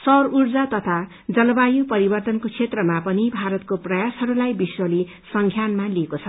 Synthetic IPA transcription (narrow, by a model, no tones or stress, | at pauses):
sʌrurd͡zat̪ʌt̪ʰa | d͡zʌlʌbajũpʌɾibʌrt̪ʌnkot͡sʰet̪rʌmapʌnibʱaɾʌt̪̚koprʌjasɦʌɾulajbiswʌli | sʌŋɡʰʱjanmaliekot͡sʰʌ